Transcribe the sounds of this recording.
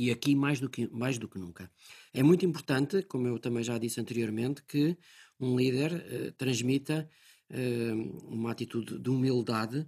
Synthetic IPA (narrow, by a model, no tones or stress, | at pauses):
iɐkimajʒðukmajʒðuknũŋkɐɛmũj̃t̪uĩmpuɾt̪ɐ̃nt̪ɨkomuewt̪ɐmɐ̃j̃ʒaðisɐ̃nt̪ɨɾioɾmẽnt̪kɨ | ũlˠiðɛɾɛ̰t̪ɾɐ̃ʒmit̪ɐ | ɛumat̪it̪uðd̪ɨumilˠd̪aðɨ